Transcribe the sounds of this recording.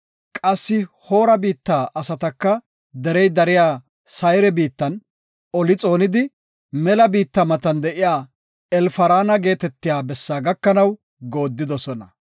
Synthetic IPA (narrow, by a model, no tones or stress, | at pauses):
kʼɐsːɪho̞ːɾɐbiːt̪ːaːʔɐsɐt̪ɐkːɐ | d̪ɛɾɛjd̪ɐɾɪjaː | sɐjɾɛbiːt̪ːɐn | ɔlɪt͡sʼo̞ːnɪd̪ɪ | mɛlɐbiːt̪ːɐmɐt̪ɐnd̪ɛʔɪjaː | ɛlfɐɾaːnɐɡe̞ːt̪ɛt̪ːɪjaːbɛsːaːɡɐkːɐnɐw | ɡo̞ːd̪ːɪd̪ɔsɔnɐ